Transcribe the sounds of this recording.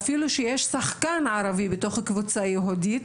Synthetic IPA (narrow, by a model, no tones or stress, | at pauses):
afiluʃejeʃsaχkanʕaɾavibeto̞χhakvut͡sajeɦudit